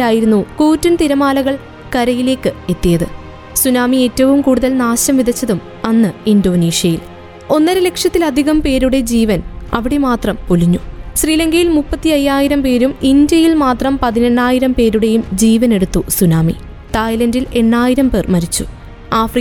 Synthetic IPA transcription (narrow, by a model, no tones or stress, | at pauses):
aːjiɾunːukuːtːunt̪iɾɐmaːlɐɣɐɭ | kɐɾɐjile̞ːkːɨe̞t̪ːijɐðɨ | sunaːmie̞ːtːɐʋumkuːɽuðɐlnaːɕɐmʋid̪ʱɐt͡ɕːɐðum | ɐnːɨindo̞ːniːʂjɐjil | o̞nːɐɾɨle̞kʂjɐt̪ːilɐd̪ʱiɣɐmpe̞ːɾuɽe̞d͡ʑiːʋɐnɐ̰ʋiɽe̞maːt̪rɐmpuliɲːuɕriːlɐŋɡɐjilmupːɐt̪ːiɐjːaːjiɾɐmpe̞ːɾumindjɐjilmaːt̪rɐmpɐðine̞ɳːaːjiɾɐmpe̞ːɾuɽe̞jumd͡ʑiːʋɐne̞ɽut̪ːusunaːmḭ | t̪aːjlɐndile̞ɳːaːjiɾɐmpe̞ːrmɐɾit͡ɕːu | aːfri